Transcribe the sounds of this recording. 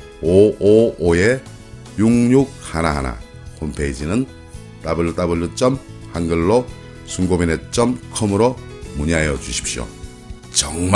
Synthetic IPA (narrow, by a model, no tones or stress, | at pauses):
oooje̞ | juŋɲuk̚hanaɦa̰na̰ | kʰompʰeid͡ʑinɯn | t͈abɯɭt͈abɯɭːɯt͡ɕ͈ʌm | hanɡɯɭːo | sʰuŋɡobinet͡ɕ͈ʌmkʰɯmɯɾomuɲiɦajʌd͡ʑuɕʰi̥p̚ɕ͈jo̰ | t͡ɕʌŋm